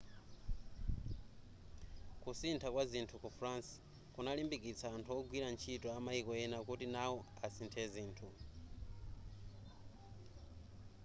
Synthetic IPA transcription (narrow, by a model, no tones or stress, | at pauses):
kusintʰakwazintʰukufɾans | kunalimbikit͡sʰaːntʰuɔɡwiɾant͡ʃʰitɔamaikɔjɛnakutinawɔasintʰɛziːntʰu